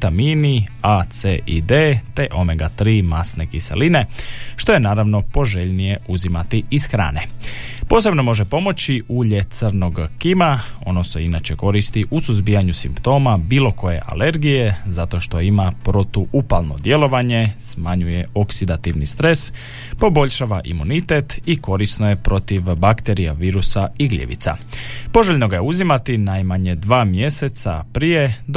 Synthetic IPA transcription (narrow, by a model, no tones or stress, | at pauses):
t̪amiːniat̪seʔid̪eːt̪e̞ʔo̞meɡat̪ɾiːmasnekisḛline̞ʃt̪o̞je̞naːɾaʋno̞po̞ʒe̞ʎnije̞uzimat̪iisxɾa̰ːne̞po̞ːse̞bno̞mo̞ʒe̞po̞mo̞t͡ɕiʔuːʎe̞t̪sərno̞ɡkimao̞̰no̞se̞inat͡ɕe̞ko̞ɾist̪iʔusuzbijaɲusimpt̪o̞ːmabiːlo̞ko̞je̞̰ʔa̰le̞ɾɡije̞zat̪o̞ʃt̪o̞imapɾot̪uʔupalˠno̞̰d̪je̞lo̞ʋaɲe̞smaɲuje̞o̞ksid̪at̪iʋnist̪ɾe̞s | po̞bo̞ʎʃaʋaʔḭmunit̪e̞t̪iko̞ɾisno̞je̞pɾo̞t̪iʋbakt̪e̞ɾijaʋiːɾusaiɡlʲḛʋḭt̪sa̰po̞ʒeʎʲno̞ɡajeuzimat̪inajmaɲe̞d̪ʋaːmje̞se̞t̪sa̰pɾije̞d̪